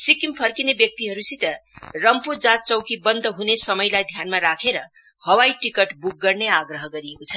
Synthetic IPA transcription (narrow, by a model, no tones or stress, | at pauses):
sikimpʰʌrkinebjʌk̚t̪iɦʌɾusit̪ʌrʌmpud͡zat̪̚t͡sʌwkibʌnd̪ʱʌɦunesʌmʌjlajd̪ʱjanmaɾakʰeɾʌ | hʌwajʈikʌʈbuk̚ɡʌrneaɡɾʌɦʌɡʌɾiekot͡sʰʌn